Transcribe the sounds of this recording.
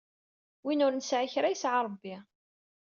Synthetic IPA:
winʊɾnəsʕiçɾæjsʕaɾˤəbːi

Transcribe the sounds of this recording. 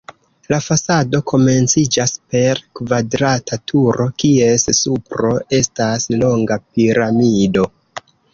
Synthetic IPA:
lafasado̞kʰo̞me̞nt͡sid͡ʒaspe̞ɾkvadɾatʰatʰuɾo̞kie̞ssupɾo̞ʔe̞staslo̞ŋɡapiɾamido̞

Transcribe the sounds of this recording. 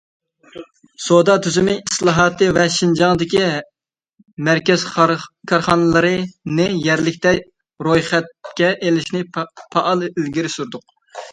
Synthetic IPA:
sod̪ɑt̪ʰyzymɪislˠɑɦɑt̪ɨvɛʃind͡ʒɑŋd̪ɪkʲi | mæɾkʲɛz̥kʰɑɾχɑnɨlˠɨɾɨnɨjɛɾlɪkʲt̪ɛ | ɾojχɛt̪̚kʲɛʔelɪʃnɪpʰɑʔɑlˠilɡʲiɾɪsuɾd̪ʊq̚

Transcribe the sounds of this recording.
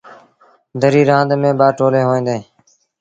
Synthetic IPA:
d̪əɾiːɾãːnd̪mẽːbaːʈoːleːɦoːĩːd̪eː

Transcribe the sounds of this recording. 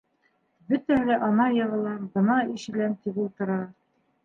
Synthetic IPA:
bɵt̪æhɘlæʔɒnɑjɤ̆ʁɤ̆lˠɑmbɤ̆nɑiʃɘ̆lænt̪iβulˠt̪ɤ̆ɾɑ

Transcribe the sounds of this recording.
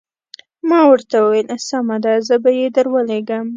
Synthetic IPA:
mɑwəɾt̪awəwelsamad̪azəbajed̪əɾwəleɡəm

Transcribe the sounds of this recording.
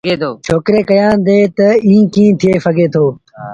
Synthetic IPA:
et̪oːt͡ʃʰoːkɾeːkɐjãːd̪eːt̪ɐĩːkĩːt̪ʰieːfɐɡʱeːt̪ʰoː

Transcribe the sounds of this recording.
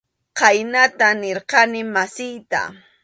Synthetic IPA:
qɑjnat̪anɪɾqɑnɪmasɪjt̪a̰

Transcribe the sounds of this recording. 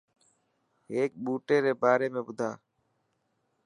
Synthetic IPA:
eːk̚ɓuːʈeːɾeːbaːɾeːmẽːbʊd̪ʱaː

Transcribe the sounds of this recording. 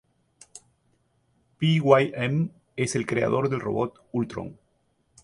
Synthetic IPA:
piɣwajem | e̞se̞lkɾea̰ðo̞ɾðelro̞̰βot̪ | ult̪ɾo̰ŋ

